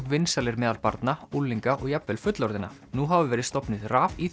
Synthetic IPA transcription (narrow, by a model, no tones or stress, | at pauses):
vɪnsalɪɾmɛːðalpaɾt̪naulːiŋkaʔɔɣjapvɛlfʏt̪lɔɾðɪnːa̰nuɦavɪvɛːɾɪðst̪ɔpnɪðraːvi